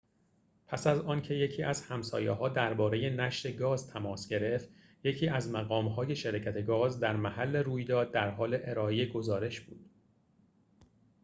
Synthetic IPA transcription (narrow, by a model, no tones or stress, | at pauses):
pʰæsæzɒːncʰe̞je̞cʰiːʔæz̥hæmsɒ̰ːjḛɦɒːd̪æɾbɒːɾe̞je̞næʃɾe̞ɡɒːzt̪ʰæmɒːsɟe̞ɾe̞ft̪ | jecʰiːʔæzmæɣɒːmɦɒːje̞ʃeɾɒːcʰæt̪ʰe̞ɡɒːzd̪æɾmæhælːe̞ɾuːjd̪ɒːd̪̚ːæɾɦɒːle̞ʔeɾɒːejeɡo̞zɒːɾe̞ʃb̥uːd̪̥